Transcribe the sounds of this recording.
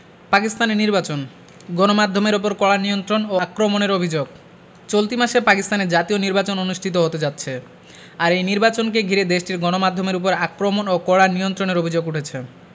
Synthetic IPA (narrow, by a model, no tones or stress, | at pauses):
pakist̪aneniɾbat͡ɕon | ɡɔnomad̪ʱomeɾup̬oɾkɔɭanijont̪ɾonoakɾomoneɾobʱid͡ʑoɡ̚ | t͡ɕolt̪imaʃepakist̪aneɾd͡ʑat̪ioniɾbat͡ɕononuʃʈʰit̪oɦot̪ed͡ʑatːɕʰe | aɾejniɾbat͡ɕonkeɡʱiɾed̪eʃʈiɾɡɔnomad̪ʱːomeɾup̬oɾakɾomonokɔɭanijont̪ɾoneɾobʱid͡ʑoɡuʈʰet͡ɕʰe